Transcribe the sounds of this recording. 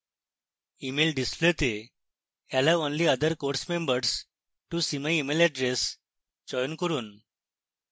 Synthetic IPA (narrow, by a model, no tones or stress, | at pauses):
imelɖislet̪e | alaɔnliəd̪əɾkoɾsmembəɾs | ʈusiməjimelæɖɾes | d͡ʑɔjunkəɾuːn